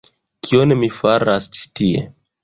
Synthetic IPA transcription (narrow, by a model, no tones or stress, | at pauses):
kʰionemifaɾast͡ʃi̥tiḛ